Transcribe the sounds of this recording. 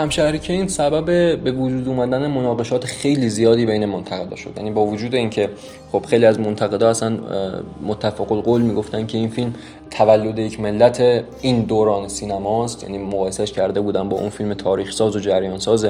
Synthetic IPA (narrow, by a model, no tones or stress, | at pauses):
hæmʃæhɾiːcʰeiːnsæbæbe̞be̞vod͡ʒuːd̪uːmæd̪ænemonɒːɣe̞ʃɒːt̪ʰexe̞jliːzijɒːd̪iːbe̞jne̞mont̪ʰæɣe̞d̪ɒ̰ːʃo̞d̪jæ̰niːbɒːvod͡ʒuːd̪e̞iːncʰe̞ | χo̞b̥xe̞jliæzmo̞nt̪ʰæɣe̞d̪ɒːæsænmot̪ʰːæfæɣolɡolmiːɡo̞ft̪æn̥cʰe̞iːnfilm | t̪ʰævælːo̞d̪ejecʰme̞lːæt̪ʰe | ind̪oːɾɒːnesiːnæmɒːst̪jæ̰niːmoɣɒːjesæʃcʰæɾd̪e̞buːd̪ænbɒ̰ːʔunfilmet̪ʰɒːɾiːxsɒːzo̞d͡ʒæɾjɒːnsɒːze